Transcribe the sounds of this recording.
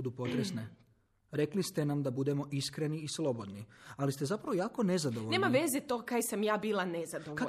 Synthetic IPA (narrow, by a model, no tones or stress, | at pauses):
ud̪upo̞t̪ɾesne | ɾe̞klist̪enamd̪abud̪e̞mo̞ʔiskɾeniːslˠo̞bo̞d̪nialist̪e̞zapɾaʋo̞jaːko̞ne̞zad̪o̞ʋone̞maʋezet̪o̞ɡakajesamjaːbiːlˠanezad̪oʋ